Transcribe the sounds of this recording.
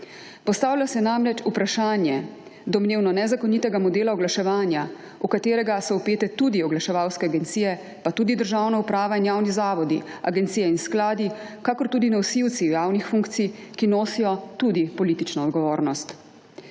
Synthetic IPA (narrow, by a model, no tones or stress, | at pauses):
pɔst̪aːwlʲasɛnamɾɛt͡ʃupɾaʃaːnjɛ | d̪ɔmneːwnɔnɛzakɔnit̪ɛɡamɔd̪eːlaɔɡlaʃɛʋaːnja | ukat̪eːɾɛɡasɔupeːt̪ɛt̪uːd̪iɔɡlaʃɛʋawskɛaɡɛnt̪siːjɛ | pat̪uːd̪id̪əɾʒawnaupɾaːʋainjaːwnizaːʋɔd̪ia̰ɡɛnt̪sijɛinsklaːd̪i | kakɔɾt̪uːd̪inawsiwt̪siwjaːwnixfuŋkt̪sikinoːsijɔt̪uːd̪ipɔlit̪it͡ʃnɔːd̪ɡɔʋoːɾnɔst̪